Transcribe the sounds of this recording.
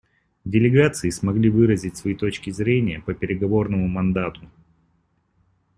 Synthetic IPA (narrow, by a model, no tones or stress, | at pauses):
dʲɪlʲɪɡat̪sɨɪsmɐɡlʲivɨɾəzʲɪtʲsvɐit̪o̞t͡ɕkʲɪzɾʲenʲɪjəpəpʲɪɾʲɪɡɐvo̞rnəmʊmɐnd̪at̪ʊ